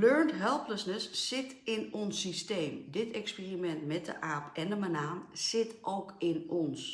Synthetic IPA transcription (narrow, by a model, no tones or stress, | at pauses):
løɹntɦɛlˠpləsnəsːɪtɪnɔnsisteːmdɪtɛkspiːrimɛntmɛt̚də̰ʔaːpɛndəmanaːmsɪtʔowkɪnɔns